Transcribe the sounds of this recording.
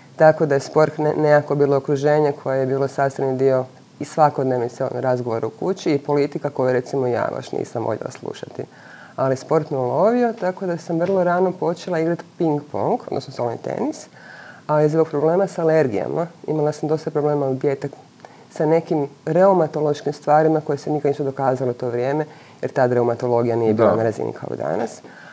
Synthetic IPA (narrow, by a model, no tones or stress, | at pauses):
t̪ako̞d̪ajespo̞ɾt̪nejako̞biːlˠo̞okɾuʒe̞ːɲe̞kʰo̞jejebiːlosaːst̪ɾanid̪io̞ | isʋako̞d̪neʋniseo̰nɾazɡo̞ʋoɾaukut͡ɕiːpo̞lit̪ikako̞juɾe̞t̪simo̞ija̰ːʋa̰ʃnḭːsamʋo̰ʎʲjḛlˠa̰slˠṵʃat̪ḭ | alispo̞ɾt̪miulo̞ʋio̞t̪ako̞d̪asamʋr̩lˠo̞ɾaːno̞po̞t͡ʃelˠaiɡɾat̪piŋɡpo̰ŋɡod̪nosnosolnḭt̪ḛnis | aizooɡ̚pɾo̞ble̞ːmasaaːle̞ɾɡija̰maḭmalasamd̪o̞st̪apɾoble̞ːmaub̪jet̪ak | sane̞kimɾe̞umat̪olo̞ʃkimst̪ʋaːɾimako̞jesenikaniʃst̪od̪o̞kaːzalet̪o̞ːʋɾje̞ːme̞ | jeɾt̪aːd̪ɾe̞umat̪o̞lˠo̞ɡijanije̞biːla̰naɾazḭnḭkʰa̰o̰d̪a̰nas